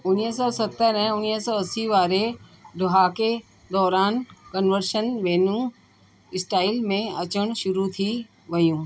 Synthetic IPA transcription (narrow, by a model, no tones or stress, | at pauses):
ʊniɦsɔːsɐt̪ːəɾɛ̃ʊniɦsɔːɐsiʋaːɾed̪ʊɦaːke | d̪ɔːɾaːnkənʋəɾʃənʋeːnũ | ɪsʈaːɪlmẽɐt͡ɕəɽ̃ʃʊɾut̪ʰi | ʋɐjũː